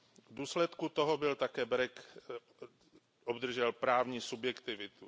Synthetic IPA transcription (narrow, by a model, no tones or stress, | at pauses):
vduːslɛt̪kut̪oɦobɪlt̪akɛːbɾɛk | ʔobd̪r̩ʒɛlpɾaːvɲisubjɛkt̪ɪvɪt̪u